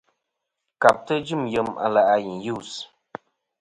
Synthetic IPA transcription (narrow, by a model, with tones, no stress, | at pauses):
ka˨p̚tə˦d͡ʒɨ˦˨mjə˨ma̰˨la˨ʔa˨ji˨ju˦˨s